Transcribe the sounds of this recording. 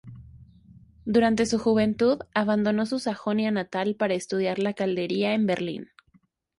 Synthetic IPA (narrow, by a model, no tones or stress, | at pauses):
d̪uɾant̪e̞suxuβ̞e̞nt̪uðaβand̪o̞no̞susaxo̞njanat̪alpaɾaest̪uð̞jaɾlakald̪e̞ɾiae̞mbe̞ɾlḭn